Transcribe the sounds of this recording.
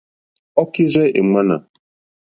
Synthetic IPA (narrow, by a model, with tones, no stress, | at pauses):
ɔ˦ki˦ɾɛ˦e˨ŋ͡ma˦na˨